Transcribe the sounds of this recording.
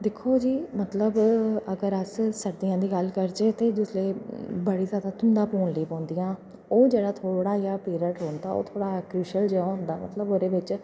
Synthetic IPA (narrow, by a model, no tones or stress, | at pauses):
d̪ɪkʰːoːd͡ʒiːmət̪ləbəɡəɾəssəɾd̪iːãːd̪iːɡəlkəɾd͡ʒeːt̪eːd͡ʒɪsleːbəɽiːzjaːd̪aːt̪ʊnd̪ãːpoːɳliːpɔ̃ːnd̪iːjãː | oːd͡ʒeːɽaːt̪ʰoːɽaːjaːpeːɾəɳʈɦõːnd̪aːo̰ːt̪ʰoːɽaːkɾuːʃəld͡ʒeːaɦʊ̃nd̪aːmə̰t̪ləboːɾeːʋɪt͡ʃ